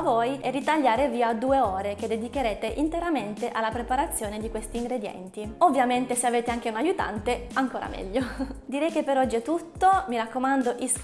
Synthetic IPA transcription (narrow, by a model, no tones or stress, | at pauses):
vojɛrːit̪aʎːaːɾeviːad̪uːeoːɾeked̪ːed̪ik̟eɾeːt̪eʔint̪eɾament̪eʔalːapɾepaɾat̪sːjoːned̪ikwest̪iːŋɡɾed̪jɛ̰nt̪iovːjament̪eseaveːt̪eaŋk̟eunajut̪a̰nt̪eaŋkoːɾa̰mɛ̰ʎːod̪iɾɛjk̟epːeɾɔd͡ʒːiɛt̪ut̪ːomiɾakːomand̪oʔis